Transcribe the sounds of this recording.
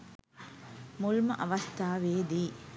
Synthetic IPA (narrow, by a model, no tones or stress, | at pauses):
mulmɐʔɐʋɐst̪ʰaːʋeːd̪iː